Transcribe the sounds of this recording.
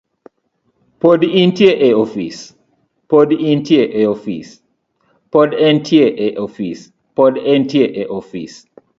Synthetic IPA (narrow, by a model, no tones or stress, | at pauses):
podĩntieʔeofis | podĩntieʔeofis | pɔdɛntʰieʔeʔofis | pɔdɛntieʔeʔofḭs